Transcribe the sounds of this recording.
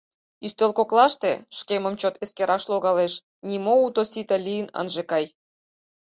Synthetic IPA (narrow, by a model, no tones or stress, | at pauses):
yst̪elkoklɑʃt̪ḛʃkemə̆mt͡ɕot̪eskeɾʔɑʃloɣɑleʃ | nʲimout̪osit̪ɑlʲijənə̰nʒekɑj